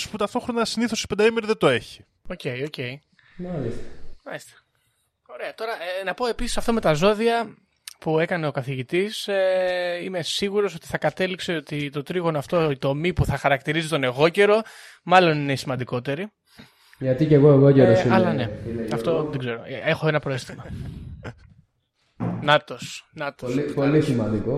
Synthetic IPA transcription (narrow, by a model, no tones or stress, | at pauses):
put̪ɐft̪o̞xɾo̞nɐsiniθo̞si̥pend̪ɐimeɾiðet̪oe̞çi̥ | o̞ce̞io̞ce̞i | mɐlist̪ɐ̥mɐlist̪e̥ | o̞ɾe̞ɐt̪o̞ɾɐnɐpo̞e̞pisi̥sɐft̪ome̞t̪ɐzo̞ðiɐ | pue̞kɐne̞o̞kɐθiʝit̪iseime̞siɣuɾo̞so̞t̪i̥θɐkɐt̪e̞likse̞o̞t̪it̪o̞t̪ɾiɣo̞noɐft̪o̞it̪o̞mipuθɐxɐɾɐk̚t̪iɾizit̪o̞ne̞ɣo̞ce̞ɾo̞ | mɐlo̞ninesimɐnd̪iko̞t̪e̞ɾi | ʝɐt̪iceɣoeɣoceɾossɐlɐne̞ɐft̪o̞ðeɡze̞ɾo̞̰exo̞enɐpɾoe̞st̪imɐ | nɐt̪osnɐt̪opolisimɐnd̪iko